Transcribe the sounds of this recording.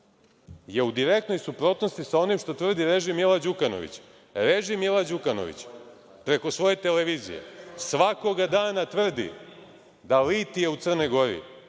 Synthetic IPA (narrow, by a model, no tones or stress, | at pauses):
je̞ud̪iɾekt̪no̞jsupɾo̞t̪no̞st̪isao̞nimʃt̪o̞t̪ʋr̩d̪iɾe̞ʒimilˠad͡ʑukano̞̰ʋḭt͡ɕ | ɾe̞ʒimilad͡ʑukano̰ʋḭt͡ɕ | pɾe̞ko̞sʋo̞je̞t̪eleʋiːzḭjḛsʋako̞ɡad̪aːnat̪ʋr̩d̪ḭ | d̪alit̪ijeut̪sr̩no̞jɡo̞ɾḭ